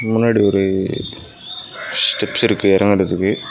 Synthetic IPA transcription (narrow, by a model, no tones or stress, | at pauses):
mʊnːaːɽiɔɾɯ | sʈɛpsɪɾɯkːɯɛɾɐŋɡɛɽɯt̪ːɯkːɯ